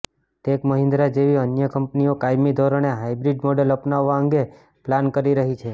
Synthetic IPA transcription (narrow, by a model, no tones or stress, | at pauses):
t̪ekməɦɪ̃nd̪ɾad͡ʒeʋiənjəkəmpniokajmid̪ʱoɾoneɦaibɾiɖmoɖələpnaʋːaəŋɡe | plankəɾiɾəɦit͡ʃʰe